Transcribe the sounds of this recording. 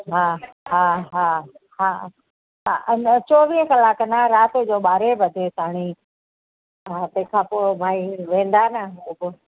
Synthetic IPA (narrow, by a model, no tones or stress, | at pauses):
ɦaː | ɦaːɦaː | ɦaː | ɦant͡ɕoːʋiːɦkɐlaːknəɾaːt̪d͡ʑoːɓaːɾebʱɐd̪et̪aːɽ̃i | at̪ɐ̃kʰãːpoːbʱaːiʋẽːn̆d̪anəʊbo